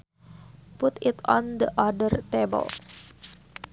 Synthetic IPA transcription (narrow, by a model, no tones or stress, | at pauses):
put̪ɪt̪ɔnd̪ə̰ʔadərt̪ebə̰l